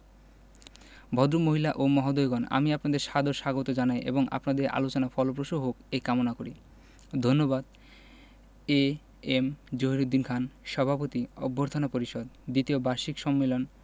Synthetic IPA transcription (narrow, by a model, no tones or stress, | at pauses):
bʱɔd̪ɾumoɦilaʔomɔɦod̪ojɡɔna̰miapnad̪eɾʃad̪oɾʃaɡot̪od͡ʑanajʔḛboŋa̰pnad̪eɾa̰lot͡ɕonafɔlopɾoʃoɦokekamonakoɾi | d̪ʱonːobad̪ | e | emd͡ʑoɦiɾud̪ːinkʰanʃɔbʱapot̪iɔbːoɾt̪ʰonapoɾiʃod̪d̪it̪iobaɾʃikʃɔmːelon